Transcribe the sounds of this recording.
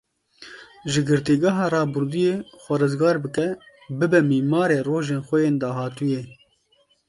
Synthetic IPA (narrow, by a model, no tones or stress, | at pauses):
ʒɪɡɨɾt̪iɡɑɦɑːrɑːbuɾd̪ujeːxʷɛɾɨzɡɑːɾbɨkɛ | bɨbɛmiːmɑːɾeːroːʒeːnxʷɛjeːnd̪ɑːɦɑːt̪ujeː